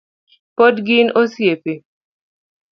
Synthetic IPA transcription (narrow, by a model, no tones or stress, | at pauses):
podɡɪnosjepe